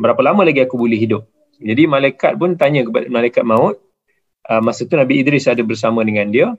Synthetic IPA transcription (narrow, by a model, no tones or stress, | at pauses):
bəɾapəlamə̃laɡiakubulɛhɦidʊp̚ | d͡ʒadimalaika̰t̪̚pʊnt̪aɲə̃kəpadəməlalajkat̪̚maʊt̪̚ | ʔəmasət̪unabiːdɾɪsadəbərs̬amə̃dəŋãndiə